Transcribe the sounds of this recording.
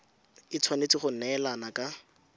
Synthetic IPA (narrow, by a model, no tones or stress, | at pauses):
ɪt͡sʰwanet͡sɪχʊn̩nɛːlanakʼa